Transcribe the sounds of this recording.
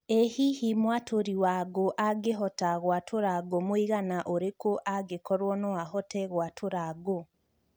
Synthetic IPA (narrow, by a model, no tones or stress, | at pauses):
ehihimwatʰoɾiwaːɡoʔaɡeɦɔtaɣwatʰoɾaɡomoiɣanaʔoɾekoʔaɡekɔɾwɔnɔwahɔtɛɣwatʰoɾaɡo